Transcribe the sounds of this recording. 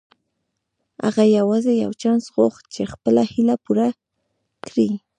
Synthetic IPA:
a̰ɣajawazɪja̰wt͡ʃansɣoχt͡ʃexpəlahɪlapʊɾa | kɾi

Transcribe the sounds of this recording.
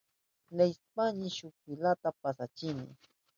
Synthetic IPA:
lespaɲɪʃʊk̚ɪlat̪apasat͡ʃɪnɪ̰

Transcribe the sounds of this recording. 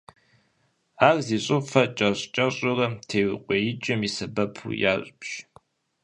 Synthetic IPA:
aːrziːɕʼɨfɐt͡ʃʼɐɕt͡ʃʼɐɕʼɪrɐtʰeːwqʷʼejɪt͡ʃʼɪmisɐbɐpʰṵjaːɕʼpɕ

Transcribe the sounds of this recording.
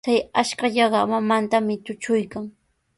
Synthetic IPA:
t͡sajaʃkaʎɑɢɑmamant̪amɪt̪ʊt͡ʃʊjkaŋ

